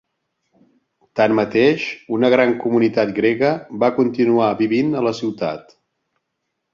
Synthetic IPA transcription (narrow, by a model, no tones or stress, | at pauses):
t̪anmət̪eʃunəɣ̞ɾaŋkumunit̪at̪̚ɡɾeɣəbakunt̪inuaβiβinələsiwt̪a̰t̪